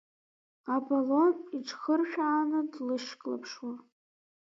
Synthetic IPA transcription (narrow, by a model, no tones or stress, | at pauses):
aboloniʈ͡ʂʰχərʃᶣʕanɨdlɨʃkʼla̰pʰʂwa